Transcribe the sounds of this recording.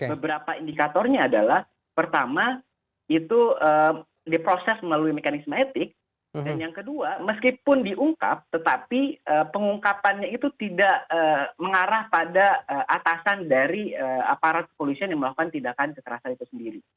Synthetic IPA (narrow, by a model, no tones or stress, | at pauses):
bəbəɾapaindikat̪ɔrɲaːdalah | pərt̪ama | it̪uəː | dipɾosɛsməlaluimekanismaet̪ɪk̚ | danjaŋkəduaməskipʊndiʔuŋka̰p̚t̪ət̪apiəːpəŋuŋkapanɲait̪ut̪idaʔəːməŋaɾahpadaəʔat̪asandaɾiəa̰paɾat̪̚kə̥polisianjaŋməlakukant̪indakankəkəɾasanit̪usəndiɾi